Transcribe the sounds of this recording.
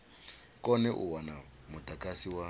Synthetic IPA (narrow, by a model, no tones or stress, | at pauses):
kɔnɛʔṵwanamut̪akʼasiwa